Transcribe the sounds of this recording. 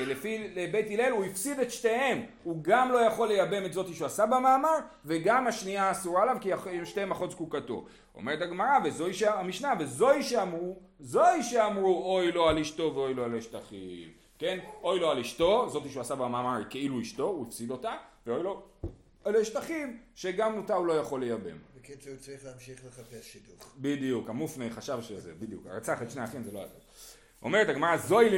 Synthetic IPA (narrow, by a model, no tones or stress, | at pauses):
lefilebe̞jtileluifsidet̪ʃte̞hem | uɡamlo̞jaχo̞lːe̞jabe̞metzo̞t̪iʃuasabamaːmaʁve̞ɡamaʃniaːsuʁaelavkiaemʃteemaχoskukato̞̰ | o̰me̞ʁetaɡmaʁavezo̞iʃeamiʃnave̞zo̞iʃeamʁu | zo̞iʃeamʁuojlo̞aliʃt̪o̞veo̞jloaloiʃtaχḭv | ke̞no̞jlo̞aliʃto̞zo̞t̪iʃuasabaamamaʁke̞iluiʃto̞uefsid̪o̞taveojlo̞ | aleʃt̪aχivʃe̞ɡamotaulo̞jaχo̞le̞jabḛmbekeseut͡saʁiχleːmʃiχleχapesʃid̪uχbid̪ijukamufnejχaʃavʃezebid̪jṵka̰ʁat͡saχetʃneaχinzeloa̰zḛ | o̞̰me̞ʁethaɡmaʁazo̞jl